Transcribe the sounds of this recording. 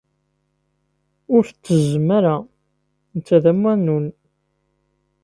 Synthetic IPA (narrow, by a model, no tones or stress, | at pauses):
ʊɾθət͡sːəzəmæɾæ | nt͡sːæðæmwænːun